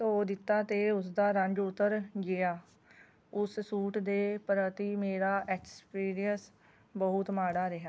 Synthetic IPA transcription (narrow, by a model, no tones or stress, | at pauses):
t̪oːd̪ɪt̪ːaːt̪eːʊsd̪aːɾəɲd͡ʒʊt̪ːəɾɡɪjaː | ʊssuːʈd̪eːpɾət̪iːmeːɾaːʔɛːkspiːɾijəs | bəɦʊt̪maːɽaːɾɪɦaː